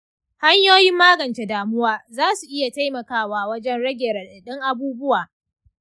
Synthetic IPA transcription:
ha˦ɲjoː˦jɪ˦mːaː˦ɡɐ˨nt͡ʃe˨daː˨mʊ˦waː˦zaː˦su˨ʔɪ˦ja˨ta˦jmɐ˨kaː˦waː˨wɐ˦d͡ʒɛ˦nɽɐ˦ɡʲeː˨ɾa˨ɗɐ˨ɗɪ˦ŋʔa˨buː˦bʊ˦waː˨

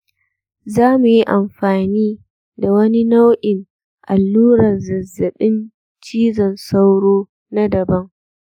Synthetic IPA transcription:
zaː˦mu˨ji˦ʔa˨mɸaː˨niː˦ | da˨wɐ˦ni˦na˦wʔɪ˨n | ʔa˨lːuː˦ɾɐ˨rzɐ˨zːɐ˨ɗɪ˦n | t͡ʃiː˦zɐ˨nsa˦wɽoː˦ | na˦dɐ˨bɐ˦ŋ

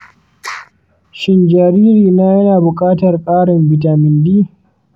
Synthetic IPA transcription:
ʃɪ˨nd͡ʒaː˨ɾiː˦ɾiː˨naː˦jɐ˦naː˨bʊ˨kʼaː˦tɐ˨rkʼaː˦ɽɪ˨mbɪ˨taː˨mɪ˨ndiː˦

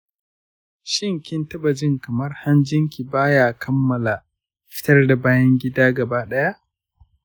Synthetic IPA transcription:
ʃɪ˦˨ŋkʲɪ˦ntɐ˦bɐ˨d͡ʒɪ˦ŋkɐ˨mɐ˦rha˦nd͡ʒɪ˦ŋkʲi˨baː˦jaː˨kʰɐ˦mːɐ˨la˨ | ɸɪ̥˦tɐ˦rda˨baː˦jɐ˦ŋɡʲɪ˦daː˦ɡɐ˨baː˦ɗɐ˦ja˦ʔ

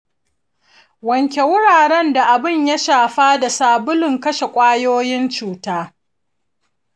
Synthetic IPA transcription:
wɐ˨ŋkʲe˨wʊ˦ɽaː˨ɽɛ˦nda˨ʔa˨bɪ˦˨ɲjɐ˦ʃaː˨ɸaː˦da˨saː˨bʊ˦lɪ˨ŋkɐ˦ʃe˨kʷʼaː˦joː˦jɪ˦nt͡ʃuː˨taː˦

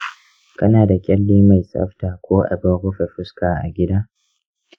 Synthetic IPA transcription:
kɐ˦naː˨da˨kʲʼɛ˦lːiː˦ma˨jsʼɐ̰˦ɸtaː˨kʷoː˦ʔa̰˨bɪ˦ŋɾʊ˦ɸe˨ɸʊ˦skaː˨ʔa˨ɡʲɪ˦daː˦

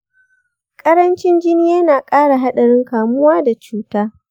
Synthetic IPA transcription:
kʼɐ˦ɾɐ˦nt͡ʃɪ˦nd͡ʒɪ˦nɪ˦jaː˦naː˨kʼaː˦ɽa˨ɦa˦ɗɐ˨ɽɪ˦ŋkaː˨mʊ˦waː˦da˨t͡ʃuː˦taː˦

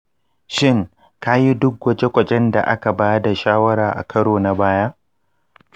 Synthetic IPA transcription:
ʃɪ˦ŋ | ka˦ji˦dʊ˦k̚wɐ˦t͡ʃe˦kʷɐ˨t͡ʃʼɛ˦nda̰˨ʔa̰˦ka˨baː˦da˨ʃaː˦wɐ˦ɾaː˨ʔa̰˨kɐ˦ɽoː˨na˨baː˦ja˦

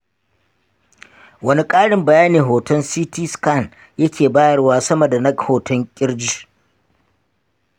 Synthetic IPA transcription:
wɐ˦ni˦kʼaː˦ɽɪ˨mbɐ˨jaː˦neː˨ɦoː˨tɔ˦nsiː˦tiː˦ska˦˨n | jɐ˦kʲʰeː˨baː˦jɐ˨rwaː˦sɐ˦mɐ˨da˨nɐ˦khoː˨tɔ˦ŋkʲʼɪ˦ɽd͡ʒi˦

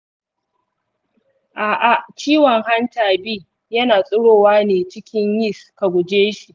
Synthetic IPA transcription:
ʔaː˨ʔa˨t͡ʃiː˦wɔ˨ŋɦa˦ntaː˨bi˦ | jɐ˦naː˨sʼʊ˦ɽoː˦˨waː˦neː˨t͡ʃɪ˦kʲɪ˦ɲjɪ˦ska˨ɡʷʊ˨d͡ʒeː˦ʃi˨ʔ

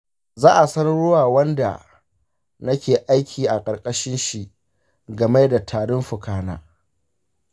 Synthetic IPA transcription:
zaː˦ʔa˨sɐ˦n˦ɽʊ˦waː˨wɐ˦nda̰˨ | nɐ˦kʲeː˨ʔa˦jkʲʰiː˨ʔa˨kʼɐ˨ɾkʼɐ˦ʃɪ˦nʃi˨ʔ | ɡɐ˨meː˦da˨tʰaː˨ɽʊ˦mɸʊ˨kʰaː˦na̰ː˦

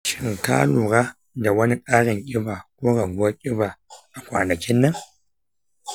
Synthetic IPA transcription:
ʃɪ˨ŋka̰ː˦luː˨ɾaː˦ | da˨wɐ˦ni˦kʼaː˦ɽɪ˨ŋkʲʼɪ˦baː˨kʷoː˦ɾɐ˨ɡʊ˦ɐ˦kʲʼɪ˦ba˨ʔa˨kʷa̰ː˨nɐ˨kʲɪ˦nːɐ˦ŋ

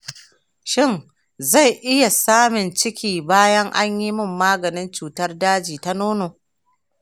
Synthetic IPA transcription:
ʃɪ˦˨n | za˦˨jʔɪ˦ja˨saː˦mɪ˨nt͡ʃɪ˦kʲiː˨baː˦jɐ˦ŋʔa˦ɲji˦mɪ˦mːaː˦ɡɐ˨nɪ˦nt͡ʃuː˨tɐ˦rdaː˦d͡ʒiː˨ta˦noː˦noː˨

